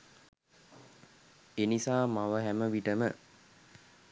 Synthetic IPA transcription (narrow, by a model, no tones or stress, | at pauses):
enisaːmaʋəɦæməʋiʈəmə